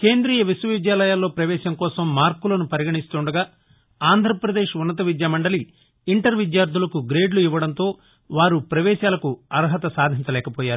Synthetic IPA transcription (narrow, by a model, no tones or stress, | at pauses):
ke̞ːnd̪ɾiːjɐʋiswɐʋid̪jaːlɐjaːlːo̞ːpɾɐʋɛːʃɐŋkɔːsɐmːaːɾkulɐnupɐɾiɡɐɳist̪uɳɖɐɡaː | aːnd̪ʱɾɐpɾɐd̪eːʃunːɐt̪̬ɐʋid̪jɐmɐɳɖɐliː | ɳʈɐɾʋid̪jaːɾd̪ulɐkuɡɾe̞ːɖluiʋːɐɽɐnt̪o̞ː | ʋaːɾupɾɐʋɛːʃaːlɐkuɐɾɦɐt̪ɐsaːd̪ʱiɲt͡ʃɐlɛːkɐpoːjaːɾu